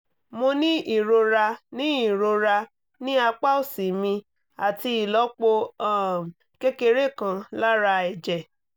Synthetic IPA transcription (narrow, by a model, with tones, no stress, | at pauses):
mõ˧nĩ˦ʔi˦˨ɾo˧ɾa˧nĩ˨˦i˦˨ɾo˧ɾa˧ | nĩ˦a˧k͡pa˦o˨si˨mĩ˧ | a˨ti˧i˨lɔ˨˦k͡po˧a˦˨ | ke˦ke˧ɾe˦˨kã˧la˦ɾa˧ɛ˨d͡ʒɛ˨